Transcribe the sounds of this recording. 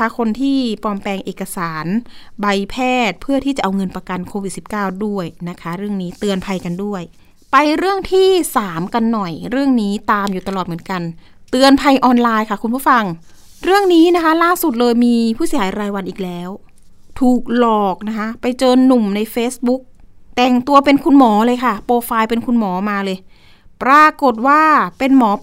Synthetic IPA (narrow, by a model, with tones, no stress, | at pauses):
a˦˥kʰo˧nt̪ʰiː˥˩pɔː˧mpɛː˧ŋʔeː˨˩kːa˧saː˩˦nba˧jpʰɛː˥˩t̪̚pʰɯ˥˩ət̪ʰiː˥˩t͡ɕa˨˩ʔa˧wŋɤ˧npɾa˧ka˧nkʰoː˧wi˨˩si˨˩p̚kaː˥˩wdu˥˩əjna˦˥kʰa˦˥ɾɯ˥˩əŋniː˦˥t̪ɯ˧ənpʰa˧jka˧ndu˥˩əj | pa˧jɾɯ˥˩əŋt̪ʰiː˥˩saː˩˦mka˧nːɔ˨˩jɾɯ˥˩əŋniː˦˥t̪aː˧mjuː˨t̪a˧lɔː˨˩t̪m˩˦ə˦nka˧n | t̪ɯ˧ənpʰa˧jʔɔː˧nlaː˧jkʰa˥˩kʰu˧npʰfa˧ŋ | ɾɯ˥˩əŋniː˦˥na˦˥kʰa˦˥laː˥˩su˨˩t̪̚lɤː˧jmiː˧pʰuː˥˩si˩˦haː˩˦jɾaː˧jwa˧nʔiː˨˩k̚lɛː˦˥w | t̪ʰuː˨˩k̚lɔː˨˩k̚na˦˥kʰa˦˥pa˧jt͡ɕɤː˧nːu˨˩mna˧jfeː˦˥sbu˦˥k̚t̪ɛ˨˩ŋt̪u˧ɐpe˧nkʰu˧nmɔː˩˦lɤː˧jkʰa˥˩poː˧faː˧jpe˧nkʰu˧nmɔː˩˦maː˧lɤː˧j | pɾaː˧ko˨˩t̪̚waː˥˩pe˧nmɔː˩˦